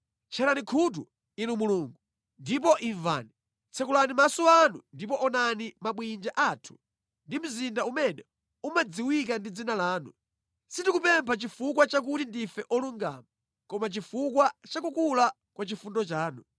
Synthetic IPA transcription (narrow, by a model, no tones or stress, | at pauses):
t͡ʃʰɛlanikʰut̬u | inumuluːŋɡu | ndip̬ɔʔiɱva̰ːni | t͡sʰɛkulanimasɔanṵndip̬ɔʔɔnanimaɓwind͡ʒaʔatʰu̥ | ndim̩zindaumɛnɛ | umad͡ziwik̬andid͡zinalaːnu | sitikupɛmpʰat͡ʃifuk̬wat͡ʃak̬utindifɛʔɔluŋɡa̰ːma | kɔmat͡ʃifukwat͡ʃakukula | kwat͡ʃifundɔt͡ʃaːnu